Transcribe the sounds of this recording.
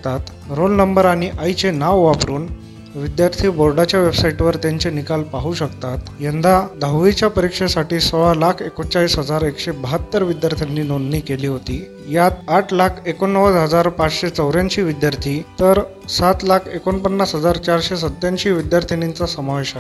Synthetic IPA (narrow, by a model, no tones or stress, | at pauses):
t̪at̪ | ɾolnəmbəɾaɽ̃iʔajt͡ɕenaʋʋapɾuːn | ʋid̪jaɾt̪ʰiːboɾɖat͡ɕjaʋebsaiʈʋəɾt̪jaɲt͡ɕenikalpaɦuɕəkt̪at̪jend̪ad̪ʱaʋit͡ɕjapəɾikʂesaʈiːsəʋalakʰekot͡ɕaɭiːsɦəd͡zaɾekɕebəɦət̪ːəɾʋid̪jaɾt̪ʰjanːiːnonniːkeliːɦot̪iː | jat̪̚aʈʰlakʰekonːəʋəd͡zɦəd͡zaɾpat͡sɕet͡səwɾjaɲɕiːʋid̪jaɾt̪ʰiːt̪əɾ | sat̪lakʰekonpənːasɦəd͡zaɾt͡ɕaɾɕesəd̪jãɲɕiːʋid̪jaɾt̪ʰinint͡sasəmaʋeɕa